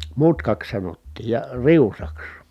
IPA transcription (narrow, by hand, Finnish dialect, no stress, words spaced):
mutkɑks sɑnotːiːj jɑ riusɑks